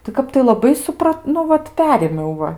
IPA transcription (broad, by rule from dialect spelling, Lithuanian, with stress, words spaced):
tɐɪ ˈkɐp tɐɪ lˠɐˈbɐɪ sʊˈprɐt nʊ ˈʋɐt ˈpʲæːrʲeːmʲɛʊ ˈʋɐ